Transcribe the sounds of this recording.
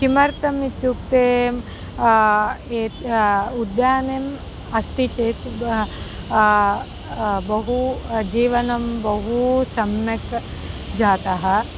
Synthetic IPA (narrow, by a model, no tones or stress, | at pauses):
kimɐɾt̪ɐmit̪juk̚t̪eːm | eːud̪jaːneːm | ɐst̪it͡ʃeːs | bɐɦud͡ʒiːʋɐnɐmbɐɦusɐmjɐkd͡ʒaːt̪ɐɦɐ̆